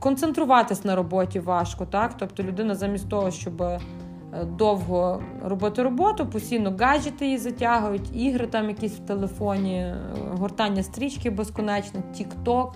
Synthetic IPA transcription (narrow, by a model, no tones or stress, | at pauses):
kɔnt̪sent̪ɾʊʋɑt̪ɪsʲnɐɾɔbɔtʲiʋɑʃkɔt̪ɑkt̪ɔpt̪ɔlʲʊd̪ɪnɐzɐmʲist̪ʲt̪ɔɦɔʃt͡ʃɔbɪ | d̪ɔwɦɔ | rɔbɔt̪ɪɾɔbɔt̪ʊpɔsʲtʲijnɔɡɑʒʲɪt̪ɪjizɐtʲaɦʊjʊtʲiɦɾɪt̪ɑmjɐkʲisʲwt̪elˠefɔnʲiɦɔrt̪ɑnʲːɐst̪ɾʲit͡ʃkɪbeskɔnɛt͡ʃnɔtʲikt̪ɔk